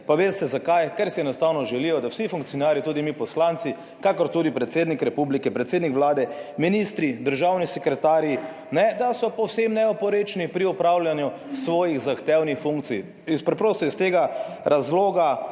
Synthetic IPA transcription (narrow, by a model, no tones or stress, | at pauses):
paʋeːst̪ɛzakajkɛɾsiɛnɔst̪aːwnɔʒɛlijɔd̪awsifuŋk̚tsijɔnaːɾjit̪uːd̪imipɔslant̪si | kakɔɾt̪uːd̪ipɾɛt̪seːd̪nikɾɛpublikɛpɾɛt̪seːd̪nikʋlaːd̪ɛminist̪ɾid̪əɾʒawnisɛkɾɛt̪aːɾji | nɛd̪asɔpɔwsemnɛɔpɔɾet͡ʃnipɾiɔpɾaːwljanju | sʋɔːjiɣzaxt̪ɛwnixfũŋk̚t̪sij | ispɾɛpɾoːst̪ɔist̪eːɡaɾazloːɡa